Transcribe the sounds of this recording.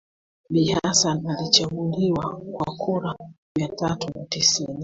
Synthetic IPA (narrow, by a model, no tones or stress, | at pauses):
ɓihasanalit͡ʃaɡuliwakwa̰kʰuɾamiatatunatisini